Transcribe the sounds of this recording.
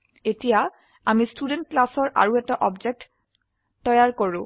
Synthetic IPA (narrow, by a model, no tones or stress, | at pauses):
etija | amistudent̚klasɔɹʔa̰ɹuɛtaʔɔbd͡ʒek̚tː | ɔjaɹkoɹʊ̃